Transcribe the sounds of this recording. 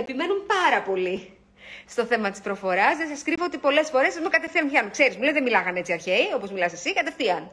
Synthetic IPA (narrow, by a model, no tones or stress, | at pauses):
e̞pime̞numpɐɾɐpo̞li | st̪o̞θe̞mɐt̪i̥spɾo̞fo̞ɾɐsðesɐskɾivoot̪ipo̞le̞sfo̞ɾe̞sɐzmukɐt̪efθiɐmçɐnukse̞ɾizmulezðemilɐɣɐne̞t͡siɐɾçeio̞po̞zmilɐsesikɐt̪e̞fθiɐn